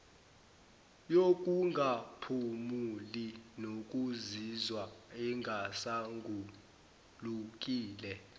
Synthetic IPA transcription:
jok̬ʼuŋɡʱapʰumulinok̬ʼuzizwaɛŋʱasaŋɡʱu | luk̬ʼiːlɛ

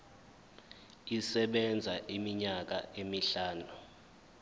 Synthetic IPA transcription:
isɛɓɛnd͡zʱaʔimiɲak̬a̰ʔemiɬaːnu

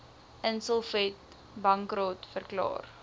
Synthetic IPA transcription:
ʔənsɔlˠfɛt̚ | bɐŋkrotfərklɑ̰ːr

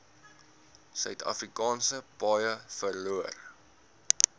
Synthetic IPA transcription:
sœɥtɐ̰frikɑːnsəbɑjəfərluər

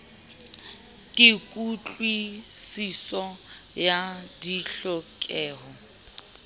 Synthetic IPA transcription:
kʼɪkʼut͡ɬʼwisisɔ | jadiɬɔkʼɛːɦɔ

